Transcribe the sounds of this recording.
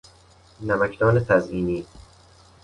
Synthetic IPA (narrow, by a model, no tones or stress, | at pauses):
næmækʰd̪ɒːnet̪ʰæzʔiːniː